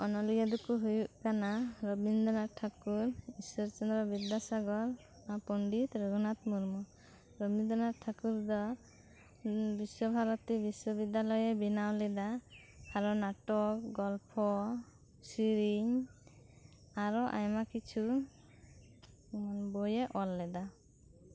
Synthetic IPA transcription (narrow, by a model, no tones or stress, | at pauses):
ɔnɔliɡad̪ukuɦujuʔkanaɾɔbind̪ɔnaʈʰakuɾisɔɾt͡ʃɔnd̪ɾɔbid̪ːasaɡɔɾ | apɔɳɖit̪ɾɔɡɔnat̪muɾmɔ | ɾɔbind̪ɔnaʈʰakuɾd̪ɔ | bisɔbʱaɾɔt̪ibiswɔbid̪ːalɔjebinawlɛd̪a | aɾɔnaʈɔkɡɔlpʰɔ | siɾiɲ | aɾɔʔa̰jmakit͡ʃʰu | manbɔjeʔɔlːɛd̪a